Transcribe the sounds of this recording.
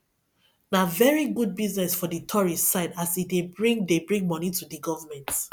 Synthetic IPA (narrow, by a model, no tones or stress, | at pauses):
navɛɹiɡud̚biznɛsfɔdətʰɔɹissaɪdasidebɹĩŋdebɹĩŋɡmɔnitudiɡɔvəmɛ̃nt